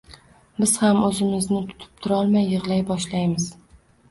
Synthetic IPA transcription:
bɪz̥hamɵzɪmɪznɪt̪ʰʊ̥t̪ʰɪ̥p̚t̪ʰʊɾɒlˠmajːɨʁlˠajbɒʃlajmɪz̥

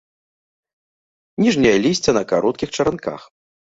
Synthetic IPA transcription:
nʲiʐnʲɐjɐlʲisʲt͡sʲɐnɐkaɾɔt̪kʲixt͡ʂɐɾanka̰x

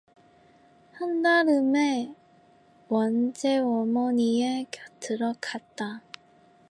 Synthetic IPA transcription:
handaɾɯme | wʌnd͡ʑe̞ʌmʌɲiekjʌtʰɯɾʌkʰat̚t͈a

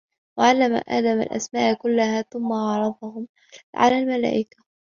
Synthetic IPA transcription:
waʕalːama̰ʔa̰ːd̪ama̰lʔa̰smaːʔkʊlːahaːθʊmːaʕɑɾˤɑd̪ˤɑhʊm | ʕa̰laːlmala̰ːʔɪkḁ

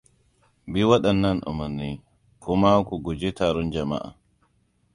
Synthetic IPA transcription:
biwaɗanːanʔɔ̰manːi | kʰɔmawkɔɡɔd͡ʒɛtaɾɔnd͡ʒama̰ʔa̰

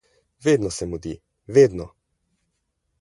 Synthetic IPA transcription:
ʋeːd̪nɔsɛmud̪i | ʋeːd̪nɔ

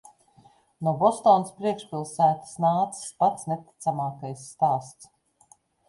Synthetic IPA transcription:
nuɔbɔst̪ɔːnspɾiɛkʃpʲilˠsæːt̪ḁsnaːt̪sspat̪snet̪i̥t̪samaːkajsːt̪aːst̪s

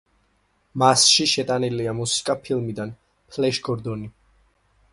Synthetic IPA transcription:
masʃiʃɛt̪ʼaniliamusi̥kʼapʰilmid̪an | pʰlɛʃɡɔɾd̪ɔni

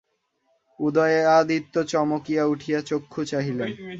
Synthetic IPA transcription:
ud̪ɔjead̪it̪ːot͡ɕɔmokijauʈʰijat͡ɕokʰːut͡ɕaɦilen

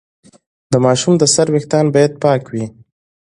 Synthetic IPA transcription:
d̪əmɑʃumd̪əsaɾwext̪ɑnbɑjad̪̚pɑkwi

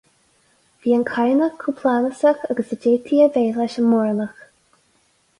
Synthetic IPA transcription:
viːənkʰajnəxkʰːupʰlaːləsaxaɡəsəd͡ʒeːt̪ʰiəveːlaʃənmɔɹləx

